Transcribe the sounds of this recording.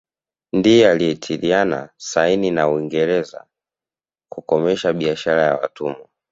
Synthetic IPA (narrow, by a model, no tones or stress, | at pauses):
ndijɛaliɛtʰiɾiana̰saininauiŋɡɛɾɛza̰ | kukɔmɛʃaɓiaʃaɾaja̰wa̰tʰumu